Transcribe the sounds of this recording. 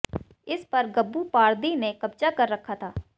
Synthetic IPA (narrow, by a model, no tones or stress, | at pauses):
ɪspəɾɡəbːuːpaːɾd̪iːneːkəb̚t͡ʃaːkəɾːəkʰːaːt̪ʰaː